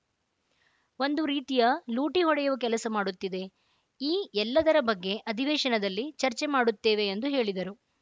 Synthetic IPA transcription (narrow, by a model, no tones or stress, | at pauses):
o̞nd̪uɾiːt̪ijɐluːʈiɦɔɽɛjuʋɐkɛlɐsɐmaːɽut̪ːid̪e̞ | iːɛlːɐd̪ɐɾɐbɐɡːe̞ʔɐd̪ʱiʋeːʃɐnɐd̪ɐlːit͡ʃɐɾt͡ʃemaːɽut̪ːeːʋe̞ːnd̪uɦe̞ːɭid̪ɐɾu